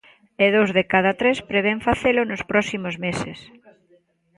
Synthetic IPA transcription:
eðowzðekaðat̪ɾespɾeβ̞eɱfaθelʊnʊspɾɔsimozmeses

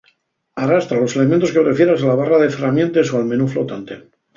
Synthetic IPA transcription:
arast̪ɾalo̞se̞le̞ment̪okepɾe̞fje̞ɾasalaβ̞araðe̞feramje̞nt̪e̞soalmẽ̞nuflo̞t̪ant̪e̞

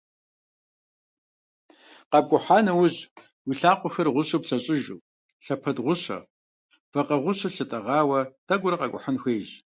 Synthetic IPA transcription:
qɐb̚ɡʷʼʊħaːnɐwʊʑ | wiɬaːqʷʼʊxɐrʁʷʊɕʼɐpɬɐɕʼɪʒuː | ɬɐpʰɐdʁʷʊɕɐ̰ | fɐqɐʁʷʊɕʼɐɬɨtʼɐʁɑːwɐtɐɡʷʊɾɐqɐɡʷʼʊ̰ħanxʷeːjʑ

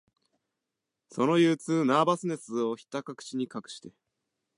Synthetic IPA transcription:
so̞no̞jɯːt͡sɨːnaːbasɨne̞sɨo̞çi̥t̪akakɯ̥t͡ɕiɲ̟ikakɯ̟̥ɕi̥t̪e̞

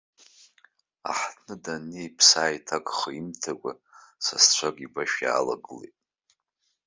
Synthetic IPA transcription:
a̰ħtʰnɨdanejpʰsaːjtʰakʼχəimtʰakʷʼasast͡ɕʷʰaɡʼibaʃᶣja̰ːla̰ɡɨlḛtʼ

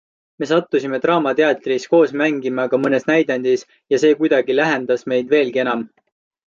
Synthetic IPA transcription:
me̞s̬ɑt̪ːusime̞t̪rɑːmɑt̪eɑt̪ːˑrisko̞ːsmæŋɡimɑɡ̥ɑmɤne̞snæjd̪ɑnd̪̥is | jɑse̞ːkujd̪̥ɑɡilæɦe̞nd̪̥ɑsme̞jd̪ve̞ːlɡ̥ie̞nɑm

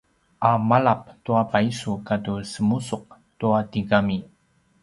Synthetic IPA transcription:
ʔamaɭap̚tuapaisukatusəmusuq̚ | tuatiɡami

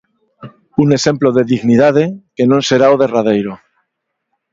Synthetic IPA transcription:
une̞se̞mploðeðiɣniðað̞e̞ke̞nõnse̞ɾaoðe̞raðe̞jɾo

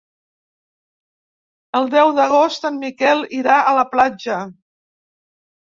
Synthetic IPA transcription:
əlˠd̪ɛwðəɣost̪ənmikɛlˠiɾaʔələplad͡ʒə

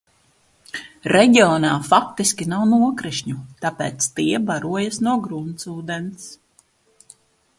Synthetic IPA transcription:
ɾɛɟiɔːnaːfak̚t̪iskʲinawnuɔkɾiʃɲut̪apeːt̪st̪iɛbaɾuɔjasnuɔɡɾunsuːd̪ɛns

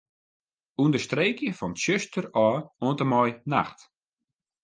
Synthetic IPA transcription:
undəstreːkjəfɔntsøstərɔːoəntəmɔjna̰xt

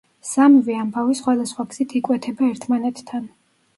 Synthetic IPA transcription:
samviambavisχwad̪asχwaɡz̥it̪ʰikʼwɛt̪ʰɛbaɛɾt̪ʰmanɛt̪ːʰan

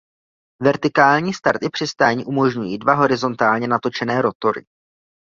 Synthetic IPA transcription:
vɛɾt̪ɪkaːlɲiːst̪aɾt̪ɪpr̝̥ɪst̪aːɲiːʔumo̞ʒɲujiːdvaɦo̞ɾɪzo̞nt̪aːlɲɛnat̪o̞t͡ʃɛnɛːɾo̞t̪o̞ɾɪ̰

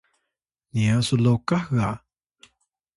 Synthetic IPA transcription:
niasulokaha

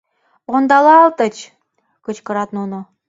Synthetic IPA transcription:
ond̪ɑlˠɑlt̪ə̆t͡ɕ | kət͡ɕkɤ̆ɾɑt̪nuno

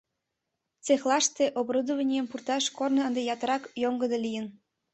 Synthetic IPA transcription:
t͡sexlˠɑʃt̪eʔobrod̪əβənʲijəmpurt̪ɑʃkornɤ̆ənd̪ejɑt̪əɾɑkjoŋɡəd̪elijən

